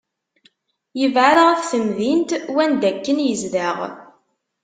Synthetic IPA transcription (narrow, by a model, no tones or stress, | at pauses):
jəvʕaɾʁæθθəmðint̪wænd̪ækːənjəzðəʁ